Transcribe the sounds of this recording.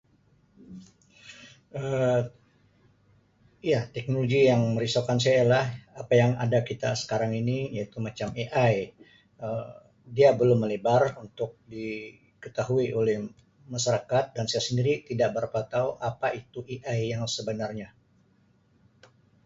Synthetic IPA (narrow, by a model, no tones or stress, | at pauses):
ə | jat̪ɛk̚noloɡijaŋməɾisawkans̬ajajalahapajaŋa̰dakit̪a̰sə̥kaɾaŋinijait̪umat͡ʃameʔaj | ə | diabəlʊmːəlebarunt̪ʊk̚di | kət̪aɦuiʔolɛh | masaɾakat̪̚dansajasəndiɾit̪idaʔ̚bəɾapat̪auʔapaʔit̪uʔiʔajjaŋsəbənarɲa